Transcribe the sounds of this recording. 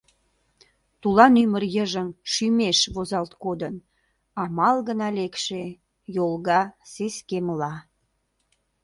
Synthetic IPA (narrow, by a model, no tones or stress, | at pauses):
t̪ulɑnymərjəʒəmʃymeʃβozɑlt̪kod̪ən | ɑmɑlɣənɑlekʃe | jolɣɑseskeməlɑ